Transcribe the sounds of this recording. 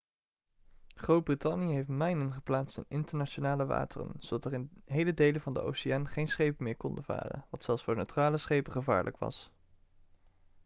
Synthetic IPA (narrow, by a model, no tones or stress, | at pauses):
χrowd̚britɑnijəɦejftmɛjnənχəplaːtstɪ̰nɪntəɹnat͡ʃonaːləʋa̰ːtərə̰nz̥owdɑtərɪnɦejlədejlənvɑndə̰ʔo̰wsɪaːnχejnsχejpənmɪːɹkɔndəva̰ːrə̰nʋɑtsɛlˠsfʊːɹnøɥtraːləsχejpəχəva̰ːɹlʔə̰kʋɑ̰s